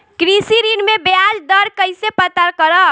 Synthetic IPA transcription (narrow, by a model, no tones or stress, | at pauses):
kɾisiɾinmebjad͡ʒd̪əɾkəjsepət̪əɾkəɾə